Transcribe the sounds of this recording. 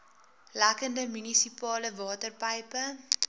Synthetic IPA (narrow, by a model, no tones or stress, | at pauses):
lækəndəmynisipɑːləvɑːtərpɐjpə